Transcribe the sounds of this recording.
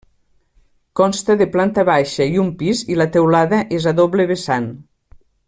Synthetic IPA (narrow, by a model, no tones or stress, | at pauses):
kɔnst̪ɐðeplant̪aβajʃɐiumpizilat̪ewlaðɐʔezaðoβleβesan